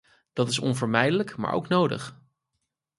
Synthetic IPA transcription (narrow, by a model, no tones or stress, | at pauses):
d̥ɑtɪsɔ̰nvəɹmɛjdələkma̰ːɹʔo̰wknowdə̰χ